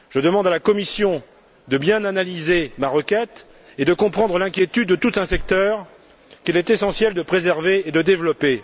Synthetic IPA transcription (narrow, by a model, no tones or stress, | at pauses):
ʒ̥əd̪əmɑ̃d̪alakɔmisjɔ̃ | d̪əbjɛ̃nanalizemaʁəkʲɛt̪ | ed̪əkɔ̃pχɑ̃d̪ʁəlɛ̃kʲjet̪yd̪̚ːət̪ut̪ɛ̃sɛk̚t̪œːʁ | kilɛt̪esɑ̃sjɛld̪əpχezɛʁveːd̪əd̪evlɔpe